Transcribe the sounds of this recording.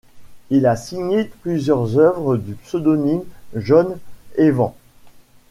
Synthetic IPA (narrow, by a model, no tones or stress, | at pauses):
ilasiɲeplyzjœʁzœvʁəd̪ypsød̪ɔnimʒɔnevɑ̃